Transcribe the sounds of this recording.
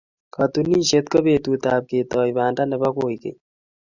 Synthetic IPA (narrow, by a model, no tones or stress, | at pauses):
kat̪uniːʃet̪kɐbeːt̪uːt̪aːb̚ket̪ɔːibaːnʈanebakoːikḛ